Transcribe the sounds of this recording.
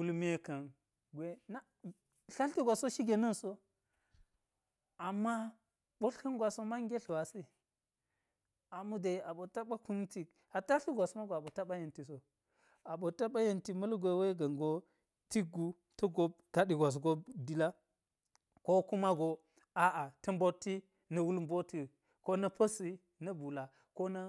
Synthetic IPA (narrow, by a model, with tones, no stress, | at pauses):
wu˦lm˦e˦ka˨n | ɡʷe˦na˦ | ɬa˦lti˦ɡʷa˨so˦ʃi˦ɡʲe˨nɐ˦nso˦ | a˨mːa˦ | ɓo˦ɬki˦ŋɡʷa˨so˦ma˦ŋɡʲe˦ɬwa˨se˦˨ | a˨mu˦de˨a˨ɓo˨ta˦ɓa˦ku˦n˦ti˨k | a˨ta˦ɬi˦ɡʷa˨sma˦ɡo˨a˨ɓo˨ta˦ɓa˦je˨nti˨s̬o˨ | a˨ɓo˨ta˦ɓa˦jɐ˨nti˨mɐ˦lɡʷe˨˦we˦ɡɐ˨ŋɡo˦ | ti˦ɡu˦ | tɐ˦ɡo˦b̚ | ɡ̥a˨ɗi˨ɡʷa˨s̬ɡo˦bdi˦la˦ | ko˦ku˦ma˦ɡo˨ | a˦ʔa˨tɐ˦mbo˦tːi˦ | nɐ˨wu˦lmbo˦ti˨ | ko˦nɐ˦pɐ˦si˦ | nɐ˦bu˨la˨ | ko˦na˦